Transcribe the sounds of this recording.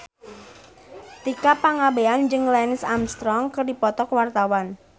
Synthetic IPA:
t̪ikapaŋabeand͡ʒɨŋlɛnɪsamst̪ɾɔŋkərdipɔt̪ɔkwart̪awan

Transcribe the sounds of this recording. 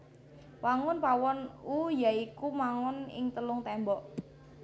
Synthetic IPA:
waŋʊnpawɔnujaikumaŋɔnɪ̰ŋt̪əlʊŋt̪ɛmbɔʔ

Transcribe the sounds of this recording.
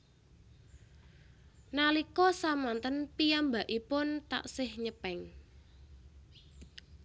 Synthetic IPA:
nalikɔsamant̪ənpijambaʔipʊnt̪a̰ʔsɪhɲəpɛŋ

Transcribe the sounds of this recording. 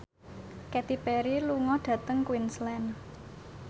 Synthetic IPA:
kɛt̪ipɛɾiluŋɔɖ̥ä̤t̪əŋkwinslɛn

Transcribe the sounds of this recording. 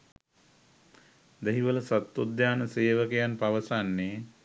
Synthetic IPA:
d̪eɦiʋələsat̪ːod̪jaːnəseːʋəkejanpaʋəsanːeː

